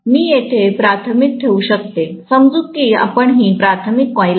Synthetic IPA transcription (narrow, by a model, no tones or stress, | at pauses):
miːjet̪ʰepɾat̪ʰəmit̪̚t̪ʰːeuɕəkt̪esəmd͡zuːkːiːa̰pəɳɦiːpɾat̪ʰəmikʋajla